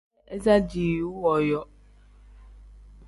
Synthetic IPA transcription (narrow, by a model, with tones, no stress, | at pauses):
e˦za˦d͡ʒi˨u˦wɔ˨jɔ˦